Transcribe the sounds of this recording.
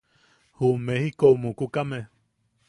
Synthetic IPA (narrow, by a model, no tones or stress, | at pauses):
humehikoumukukame